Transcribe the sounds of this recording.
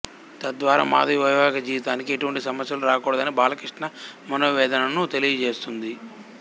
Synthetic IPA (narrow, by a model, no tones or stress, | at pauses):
t̪ɐd̪ʋaːɾa̰ːma̰ːd̪ʱɐʋiʋɐjʋaːɡɐd͡ʒiːʋit̪aːnikieʈuʋɐɳʈisɐmɐsjɐluɾaːkɔːɽɐd̪ɐnibaːlɐkɾiʂʈɳɐmɐnoːʋɛːd̪ɐnɐnut̪e̞lijɐt͡ʃeːst̪und̪i